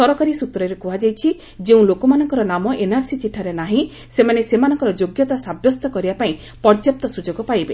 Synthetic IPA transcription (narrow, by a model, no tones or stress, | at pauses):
sɔɾɔkaɾisut̪ɾɔɾekuɦad͡ʒajt͡ʃʰi | d͡ʒeũlokɔmanɔŋkɔɾɔnamɔʔenaɾsit͡ʃiʈʰːaɾenaɦĩ | semanesemanɔŋkɔɾɔd͡ʒoɡjɔt̪asabjɔst̪ɔkɔɾibapaĩ | pɔɾd͡ʒɔp̚t̪ɔsud͡ʒoɡɔpajbe